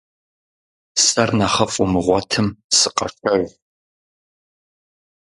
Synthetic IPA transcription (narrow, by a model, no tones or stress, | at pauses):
sɐrnaχɐfʼʊmɨʁʷɔtʰɨmsɨqʼɐʂɐʒ